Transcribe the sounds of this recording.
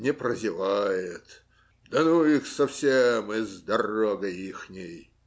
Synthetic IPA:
nʲɪpɾəzʲɪvajɪt̪ | d̪ɐnuixsɐfsʲemɪzd̪ɐroɡəixnʲɪj

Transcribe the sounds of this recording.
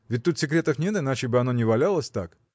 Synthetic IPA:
vʲɪt̚ʲt̪ut̪sʲɪkɾʲe̞t̪əfnʲet̪ɨnat͡ɕɪbɨɐno̞nʲɪvɐlʲalˠəsʲt̪ak

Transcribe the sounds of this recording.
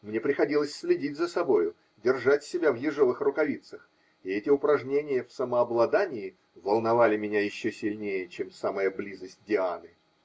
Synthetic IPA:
mnʲe̞pɾʲɪxɐdʲilˠəsʲsʲlʲɪdʲitʲzəsɐbo̞jʊ | dʲɪrʐatʲsʲɪbʲavjɪʐovɨxrʊkɐvʲit̪səx | ɪɛtʲɪʊpɾɐʐnʲenʲɪjəfsəməɐblˠɐd̪anʲɪɪ | vəlˠnɐvalʲɪmʲɪnʲajɪɕːosʲɪlʲnʲejət͡ɕemsaməjəblʲizəsʲt̚ʲdʲɪanɨ

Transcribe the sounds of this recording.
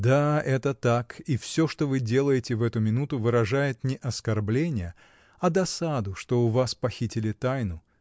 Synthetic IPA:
d̪aɛt̪ət̪akifsʲoʂt̪o̞vɨdʲe̞lˠəjɪtʲɪvɛt̪ʊmʲɪnut̪ʊvɨɾɐʐajɪt̪nʲɪʔɐskɐrblʲenʲɪjə | ɐd̪ɐsad̪ʊʂt̪o̞ʊvaspɐxʲitʲɪlʲɪt̪ajnʊ

